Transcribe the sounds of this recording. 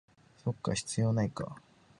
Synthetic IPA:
so̞kːa̰ɕi̥t͡sɨjo̞naika̰

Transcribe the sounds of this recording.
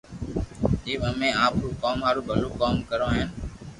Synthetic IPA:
ɗiːɓəmẽːaːpɦuːkaːmaːɾuːbʱəloːkaːmkəɾõːɦɪn

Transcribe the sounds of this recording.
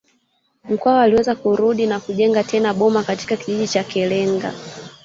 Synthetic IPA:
m̩kwaɔaliwɛzakuɾuɗinakuʄɛŋɡatʰɛnaɓɔmakati̥kakiʄiʄit͡ʃakɛlɛŋɡa̰

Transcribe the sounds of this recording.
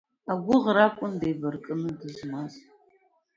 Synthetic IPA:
aɡʷʊʁɾakʷʼʊndejbɐrkʼɨnɨdɨzmaz

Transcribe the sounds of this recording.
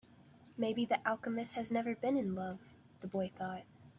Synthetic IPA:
meɪbiðiʔælˠkəmɨs̚hɨznɛvə˞bɨ̃nɨ̃nlʌv̥ | ðəbɔɪθɔt̚

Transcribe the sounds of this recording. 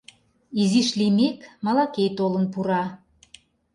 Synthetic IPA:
iziʃlimekmɑlɑkejt̪olə̆npuɾɑ

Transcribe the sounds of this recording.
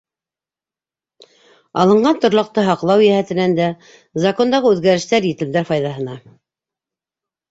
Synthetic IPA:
ɑ̰lˠɤ̆ɴɢɑnt̪ŏɾlˠɑ̆q̚t̪ɤɦɑqlˠɑwjæhæt̪ɘ̆nænd̪æ | zɐko̞nd̪ɑʁɤʉðɡæɾɘ̆ʃt̪æɾjɘ̆t̪ɘ̆md̪æɾfɑjðɑɦɤ̆nɑ

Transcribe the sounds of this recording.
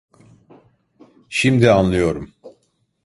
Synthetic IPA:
ʃimd̪ianlˠɯjo̞ɾum

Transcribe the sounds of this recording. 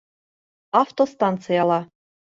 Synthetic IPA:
ɑft̪ost̪ɑnt̪t͡sɨjɑlɑ

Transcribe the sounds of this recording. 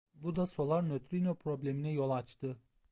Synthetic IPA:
bud̪aso̞lˠaɾnøt̪ɾinopʰɾo̞blʲeminɛjo̞lˠat͡ʃt̪ʰɯ

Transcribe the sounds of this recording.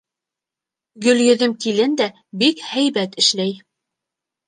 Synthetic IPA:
ɡɵ̆ljɵ̆ðɘmkilɘnd̪æ | bikhæjβæt̪ɘ̆ʃlæj

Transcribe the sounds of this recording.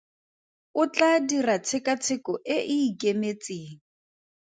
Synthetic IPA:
ʊt͡ɬadirat͡sʰɪkat͡sʰɪkʼɔʔɪʔɪːkʼemet͡sʼiːŋ̩

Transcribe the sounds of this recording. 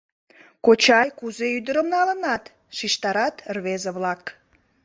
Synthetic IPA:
kot͡ɕɑjkuzeyd̪əɾəmnɑlənɑt̪ | ʃiʃt̪ɑɾɑt̪rβezəβlɑk

